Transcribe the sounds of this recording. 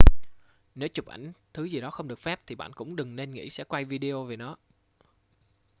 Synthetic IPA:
ne˨˦wt͡ɕʊ˨˩p̚ʔa̰˧˩jŋ̟t̪ʰɨ˨˦zi˨˩ɗɔ˨˦xə˧wŋ͡mɗɨ˨˩ək̚fɛ˦˥p̚t̪ʰi˨˩ɓa̰ː˧˨nkʊ̰˧˥ŋ͡mɗɨ˨˩ŋne˧nŋḭ˧˥sɛ̰˧˥kwa˧jvi˧ɗi˧o˧ve˨˩nɔ˨˦

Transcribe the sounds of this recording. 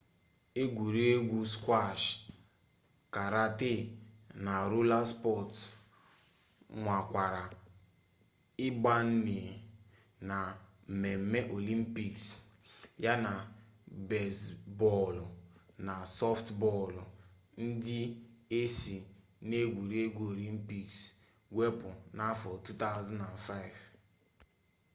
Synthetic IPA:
e˦ɡʷu˨ɾi˦e˦ɡʷu˦skʷa˦˨ʃ | ka˨ɾa˦te˦˨na˨ɾu˦la˦spɔ˦˨t | ŋʷa˨kʷa˨ɾa˨ | ɪ˦ba˦n̩˦ni˨ | na˨ | m̩˨me˨m̩˦me˦ʔo˨li˦m̩˦pi˦ks | ja˦na˨ | be˨sbɔ˦˨l | na˨sɔ˦ftbɔ˦˨l | n̩˦dɪ˦e˦si˨ | ne˦ɡʷu˨ɾi˦e˦ɡʷu˦o˨li˦m̩˦pi˦ks | ɡʷe˦pʊ˨na˦fɔ˨tu˦ta˦ʊ˦za˦na˨nfa˦ɪ˨v

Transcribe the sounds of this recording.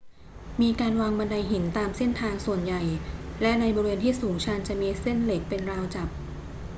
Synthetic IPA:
miː˧kaː˧nwaː˧ŋba˧nda˧jɦi˩˦nt̪aː˧mse˥˩nt̪ʰaː˧ŋsu˨˩ənja˨˩jlɛ˦˥ʔna˧jbɔː˧weː˧nt̪ʰiː˥˩suː˩˦ŋt͡ɕʰa˧nt͡ɕa˨˩miː˧se˥˩nle˨˩k̚pe˧nɾaː˧wt͡ɕa˨˩p̚

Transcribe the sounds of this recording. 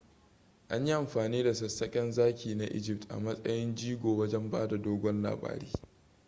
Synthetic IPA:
ʔa˦ɲji˦ʔa˨mɸaː˨niː˦da˨sɐ˨sɐ˦kʲʼɛ˦nzaː˦kʲʰiː˨na˦ʔɪ̰˦d͡ʒɪ˦p̚tʔa̰˨mɐ˦sʼɐ̰˦jɪ˦nd͡ʒiː˦ɡʷoː˨wɐ˦d͡ʒɛ˦mbaː˦da˨doː˦ɡʷɔ˦nla̰ː˨ba̰ː˦ɾḛː˦

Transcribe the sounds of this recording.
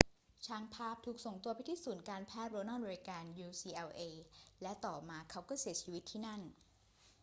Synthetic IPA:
t͡ɕʰaː˧ŋpʰaː˥˩p̚t̪ʰuː˨˩k̚so˨˩ŋt̪u˧ɐpa˧jt̪ʰiː˥˩suː˨˩˦nkaː˧npʰɛː˥˩t̪̚ɾo˧naː˥˩ma˧ɾi˧kaː˧njuː˧siː˧ʔɛ˧wʔeː˧lɛ˦˥t̪ɔː˨˩p̚maː˧kʰa˦˥wkɔː˥˩si˩˦t͡ɕʰiː˧wi˦t̪ʰːiː˥˩na˥˩n

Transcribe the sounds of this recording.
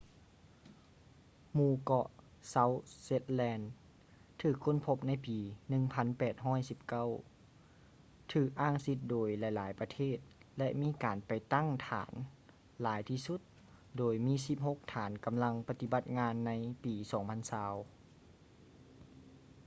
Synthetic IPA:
muː˧˩kɔ˧ʔ | sa˧˥wse˧˥t̪̚lɛː˧n | t̪ʰɯː˧˩kʰːo˧˥˨npʰo˧p̚na˧˥jpiː˨˩nɯ˧ŋpʰa˧˥˨npɛː˨˩t̪̚ɦɔː˧˥˩jsi˧˦p̚ka˧˥˩w | t̪ʰɯː˧˩k̚ʔaː˧˥˩ŋsi˧t̪̚doː˨˩jla˧˩jlaː˨˦jpa˧t̪ʰeː˧˥˩t̪̚lɛ˧ʔmiː˧˥˨kaː˨npa˨˩jt̪a˥˨ŋt̪ʰa̰ː˨˦n | laː˨˩˦jt̪ʰiː˧su˧˦t̪̚ | doː˨˩jmiː˧˥˨si˧p̚ho˧˥k̚t̪ʰaː˩˦nka˨mla˧ŋpa˧t̪i˧ba˧˦t̪̚ŋaː˧˥nːa˧˥jpiː˨˩sɔː˨˦ŋpʰa˧˥˨nsaː˧w

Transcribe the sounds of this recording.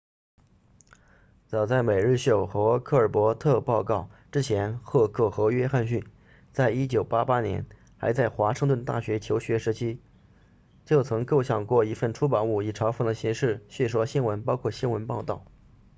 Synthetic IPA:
t͡sɑ˨˩ʊt͡sa˥˩ɪme˨˩ɪɻ̩˥˧ɕjo˥˩ʊxɤ˧˥kʰɤ˥˩ə˞˨˩pwɔ˧˥t̪ʰɤ˥˧pɑ˥˧ʊkɑ˥˩ʊʈ͡ʂɻ̩˥t͡ɕʰjɛ˧˥nxɤ˥˧kʰɤ˥˩xɤ˧˥ɥɛ˥xa˥˧nɕy˥˩n | t͡sa˥˩ɪi˥t͡ɕjo˨˩ʊpa˥pa˥njɛ̰˧˥n | xa˧˥ɪt͡sa˥˩ɪxwa˧˥ʂɤ˥˧ŋt̪wə˥˧nt̪a̰˥˩ɕɥɛ˧˥t͡ɕʰjo˧˥ʊɕɥɛ˧˥ʂɻ̩˧˥t͡ɕʰi˥ | t͡ɕjo˥˩ʊt͡sʰɤ˧˥ŋko˥˧ʊɕjɑ˥˨˩ŋkwɔ˥˩i˧˥fə˥˩nʈ͡ʂʰu˥pɑ˨˩nu˥˩i˨˩ʈ͡ʂʰɑ˧˥ʊfɤ˨˩d̪ə˧˩ɕi˧˥ŋʂɻ̩˥˩ɕɥɛ˥˩ʂwɔ˥ɕi˥nwə˧˥npɑ˥ʊkʰwɔ˥˩ɕi˥nwə˧˥npɑ˥˧ʊt̪ɑ˥˩ʊ

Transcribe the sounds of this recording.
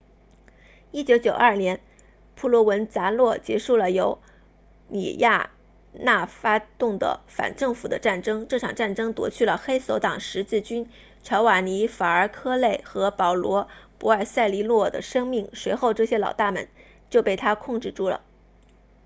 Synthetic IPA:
i˥t͡ɕjo˧˥ʊt͡ɕjo˨˩ʊʔɐ˞˥˩njɛ˧˥n | pʰu˥˩lwɔ˧˥wə˧˥nt͡sa˧˥lwɔ˥˩t͡ɕjɛ˧˥ʂu˥˩lə˩jo˧˥ʊ | nḭ˨˩ja̰˥˩˧ | na˥˩fa˥t̪ʊ˥˩ŋd̪ə̰˩fa̰˨˩nʈ͡ʂɤ˥˩ŋfu˨˩d̪ə˦ʈ͡ʂa˥˩nʈ͡ʂɤ˥ŋʈ͡ʂɤ˥˩ʈ͡ʂʰɑ̰˨˩ŋʈ͡ʂa˥˩nʈ͡ʂɤ˥ŋt̪wɔ̰˧˥t͡ɕʰy˥˩lə˩xe˥ɪso˧˥ʊt̪ɑ˨˩ŋʂɻ̩˧˥t͡sɹ̩˥˩t͡ɕy˥n | ʈ͡ʂʰɑ˧˥ʊwa˨˩ni˧˥fa˨˩ə˞˧˥kʰɤ˥le˥˩ɪxɤ˧˥pɑ˨˩ʊlwɔ˧˥pu˧˥ə˞˨˩sa˥˧ɪli˧˥lwɔ˥˩d̪ə̰˩ʂɤ˥ŋmi˥˩ŋʂwe˧˥ɪxo˥˧ʊʈ͡ʂɤ˥˩ɕjɛ˥lɑ˨˩ʊt̪a˥˩mə̰˧˦n | t͡ɕjo˥˧ʊpe˥˩ɪt̪ʰa˥kʰʊ˥˧ŋʈ͡ʂɻ̩˥˩ʈ͡ʂʰu˥˩lə̰˨˩

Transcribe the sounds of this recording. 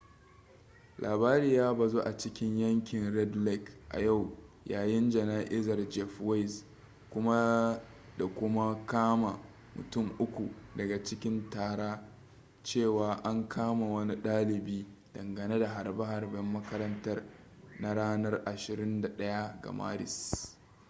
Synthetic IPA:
lʔaː˨baː˦ɾiː˨jaː˦ba˨zoː˦ʔa˨t͡ʃɪ˦kʲɪ˦ɲjɐ˦ŋkʲɪ˨nɾɛ˦dlɛ˦kʔa̰˨ja˦˨w | jaː˨jɪ˦nd͡ʒɐ˨naː˦ʔɪ˦zɐ˨rd͡ʒɛ˦fwa˦js | kʷʊ˦ma˦ | da˨kʷʊ˦ma˦kaː˦ma˨ | mʊ̰˨tʊ˦˨mʔʊ˦kʷu˨dɐ˨ɡa˨t͡ʃɪ˦kʲɪ˦ntaː˨ɾaː˦ | t͡ʃeː˦˨waː˨ʔa˦ŋkʰaː˦ma˨wɐ˦ni˦ɗaː˦lɪ˨biː˦d̥ɐ˨ŋɡɐ˨neː˦da˨ɦa˨rba˦ɦa˨rbɛ˦mːɐ˦kɐ˦ɾɐ˦ntɐ˦r | na˦ɽaː˦nɐ˦rʔa˨ʃɪ˨ɾɪ˦nda˨ɗɐ˦ja˦ɡa̰˨ma̰ː˦ɾɪ̰˨s

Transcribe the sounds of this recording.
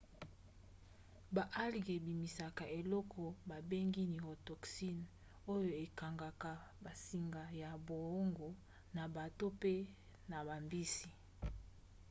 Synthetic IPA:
ba˨ʔa˦li˨ɡe˨bi˨mi˨sa˨ka˨ʔe˨lɔ˦kʰɔ˨ba˨be˦ŋɡi˦ni˨ʁo˨tɔ˨ksi˦n | o˦jo˨e˨ka˨ŋɡa˨ka˨ba˨si˨ŋɡa˨ja˨bo˨o˦ŋɡo˨ | na˨ba˨to˦pe˦ | na˨ba˨mbi˦si˨

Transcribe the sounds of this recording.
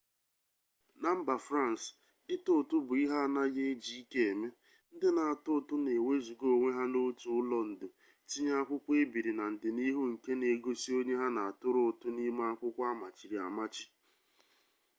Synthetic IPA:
na˨m̩˦ba˨fɾa˦˨n˨s | ɪ˦tʊ˦˨tʊ˦bʊ˨i˦ɦa˦˨na˦je˦e˦d͡ʒi˨˦i˦ke˦e˨me˦ | n̩˦dɪ˦na˨a˨tʊ˦ʊ˨tʊ˦ne˨we˦zu˨ɡo˦˨o˨ŋʷe˦ɦa˦no˦tu˨ʊ˦lɔ˦n̩˨dʊ˨ | ti˦ɲa˦a˦kʷʊ˦kʷe˦bi˨ɾi˨na˨n̩˨dɪ˨ni˦ɦu˦ŋ̩˨ke˦ne˨ɡo˦si˦o˦ɲe˦ɦa˦na˨a˨tʊ˦ɾʊ˦˨tʊ˦ni˦ma˦a˦kʷʊ˦kʷa˦ma˨t͡ʃi˨ɾi˨a˨ma˦t͡ʃi̥˦

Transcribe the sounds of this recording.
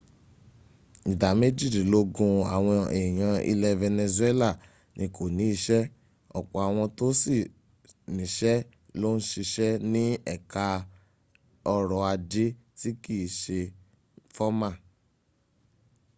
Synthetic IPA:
i˨da˨me˦d͡ʒi˦˨di˨lo˦ɡũ˧a̰˨w̃ɔ̃˧e˨j̃ã˧ḭ˧lɛ˧vɛ˧nɛ˧zu˦ɛ˦la˦˨ | nĩ˧kʰo˨nĩ˨˦i˧ʃɛ˦ | ɔ̰˨k͡pɔ˨a˨w̃ɔ̃˧to˦si˦˨ | nĩ˨ʃɛ˦ | lo˦n̩˦ʃi˧ʃɛ˦nĩ˦ɛ̰˦˨ka˧ | ɔ˧ɾɔ˨a˧d͡ʒe˦ | ti˦ki˦˨ʃe˧ | fɔ˦mã˦˨

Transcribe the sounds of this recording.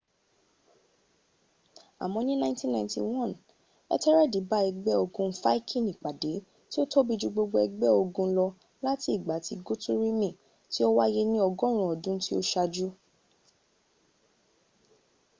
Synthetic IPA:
a̰˨mɔ̃˧nĩ˦nã˦tĩ˦nã˧˨ĩ˧ntḭ˨wɔ̃˦˨n | ɛ̰˦tɛ˦ɾɛ˦di˨˦ba˦ɛ˧ɡ͡bɛ˦o˧ɡũ˧fa˦i˦kʰĩ˦˨nĩ˨k͡pa˨de˨˦ | ti˦o˦tʰo˦bi˧˦d͡ʒu˧ɡ͡bo˧ɡ͡bo˧ɛ˧ɡ͡bɛ˦o˧ɡũ˧˦˧lɔ˧ | la˦ti˦i˦˨ɡ͡ba˨˦ti˧ɡo˦tu˦ɾi˦mĩ˦˨ | ti˦o˦wa˦je˦nĩ˦ɔ˧ɡɔ̃˦ɾ̃ũ˨ɔ˨dũ˨˦ti˦o˦ʃa˧d͡ʒu˦

